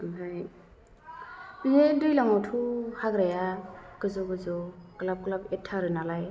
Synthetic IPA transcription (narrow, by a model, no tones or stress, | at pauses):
ɦaj | binedɯjlaŋawtʰuhaɡɾajakɯzɔɡɯzɔklap̚klapetʰːaɾɯnalaj